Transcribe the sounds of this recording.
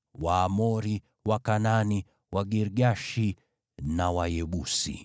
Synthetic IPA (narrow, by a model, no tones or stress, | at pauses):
waːmɔɾi | wakanani | waɡiɾɡaʃi | nawajɛɓusḭ